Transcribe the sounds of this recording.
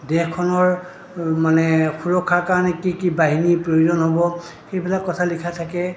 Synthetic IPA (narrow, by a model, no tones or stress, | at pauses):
dɛxkʰɔnɔɹ | manɛxuɹɔkʰːakaɹɔnɛkikibaɦinipɹojozɔnɦobɔ | xejbʱilakɔtʰalikʰatʰakɛ